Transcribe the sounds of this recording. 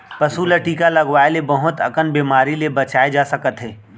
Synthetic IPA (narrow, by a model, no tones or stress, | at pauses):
pɐsuləʈiːkalɐɡwaːelebɐɦʊt̪ɐ̰kənbeːmaːɾilebɐt͡ʃaːed͡ʒaːsəkət̪ɦɛː